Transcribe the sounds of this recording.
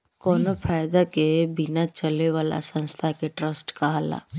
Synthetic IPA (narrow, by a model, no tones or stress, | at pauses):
kɔːnopʰaːjd̪akebɪnat͡ʃəleʋaːla̰sə̃nst̪ʰakeʈɾəsʈkaɦala̰ː